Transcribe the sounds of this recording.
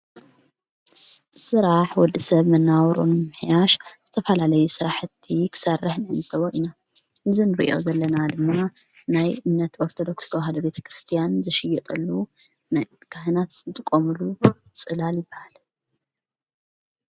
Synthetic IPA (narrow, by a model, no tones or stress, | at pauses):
sɨɾaħwɔd̪ːisɐβmɐnːawɾo̰nɨmɨħjaʃz̥ɨt̪ʰɐfɐlalɐjusɨɾaħɨt̪ʰːikʰɨ̥sɐrːɨħnɨɨnsʼɐβoʔina | ʔɨzinɨɾḭʔo̞̰zɐlːɐnad̪ɨmːa | najɨnːɐt̪oɾt̪ʰod̪o̞kst̪ʰɐwaɦɐd̪ɐbe̞t̪ʰɐ̥kɾɨst̪ʰijanzɐʃɪjːɛt̪ʼɐlːu | nkʰaɦɨnat̪zɨt̪ʼɨkʼːomulu | t͡sʼɨlaljɪbːahal